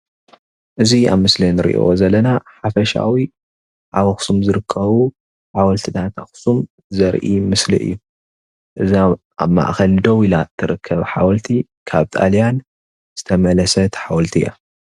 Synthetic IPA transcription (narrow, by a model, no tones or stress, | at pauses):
ʔɨzia̰βmɨslinɨɾḭʔḭʔo̰zɐlːɐnaħafɐʃa̰wi | ʕawɐxsumzɨɾɨkʰːɐβu | ħawɐlt̪ʰɨnat̪ʰaxsum | zɐɾʔimɨslḭʔɨ̰jːu | ʔɨzi | ʔa̰βma̰ʔxɐld̪owilat̪ʰːɨɾɨkʰːɐβħawɐlt̪ʰi | kʰaβt̪ʰʼa̰lijan | z̥ɨt̪ʰɐmɐlɐsɐt̪ʰħawɔlt̪ʰija̰